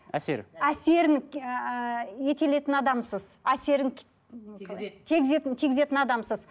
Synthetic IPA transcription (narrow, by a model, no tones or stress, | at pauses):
æ̰sḛɾæse̞ɾɪŋ | je̞t̪e̞le̞t̪ɪnɑd̪ɑmsəzæse̞ɾɪŋ | t̪ʰeɡʲɪzet̪ɪnt̪ʰe̞ɡʲɪze̞t̪ɪnɑd̪ɑmsəz